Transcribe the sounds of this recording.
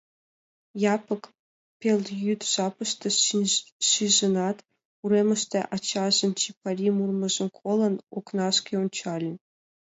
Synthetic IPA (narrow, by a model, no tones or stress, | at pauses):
jɑpɤ̆k | pʲelʲˠjyt̪ʲʒɑpɤ̆ʃt̪ɤ̆ | ʃiʒɤ̆nɑt̪ | uɾemʲə̆ʃt̪ʲeʔɑt͡ɕːɑʒɤ̆nt͡ɕipɑrʲimurmɤ̆ʐɤ̆nkʰolˠɤ̆noknɑʂkʲeunʲt͡ɕɑlʲɘ̆nʲ